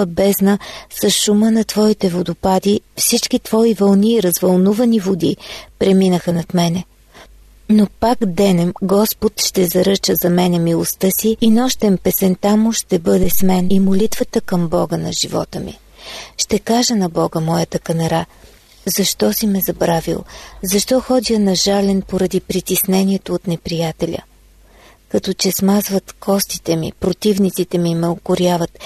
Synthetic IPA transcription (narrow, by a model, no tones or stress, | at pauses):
bɛznəsɐsʃumənɐt̪vɔit̪ɛvod̪ʊpad̪ifsit͡ʃk̟it̪v̥ɔivɐlˠniːɾɐzvɐlˠnuvɐnivod̪ipɾɛminəxənɐt̪mɛnɛ | nopaɡd̪ɛnɛmɡɔspot̪ʃt̪ɛzɐɾɤt͡ʃəzɐmɛnɛmilˠost̪əsiːnɔʃt̪ɛmpɛsɛnt̪amʊʃt̪ɛbɤd̪ɛsmɛnimolit̪vət̪əkəmbɔɡənɐ̰ʒivɔ̰t̪əmḭ | ʃt̪ɛkaʒɛnɐbɔɡəmɔjət̪əkɐnɐɾa | zɐʃt̪ɔsimɛzɐbɾavḭlˠzɐʃt̪ɔxɔd̪ijənɐʒalɛnpoɾɐd̪ipɾit̪isnɛniɛt̪oːt̪nɛpɾijat̪ɛlʲə̰ | kɐt̪ɔt͡ʃɛsmazvət̪kʰɔst̪i̥t̪ɛmḭpɾot̪ivnit̪sit̪ɛmimɛokʊɾjavɐt̪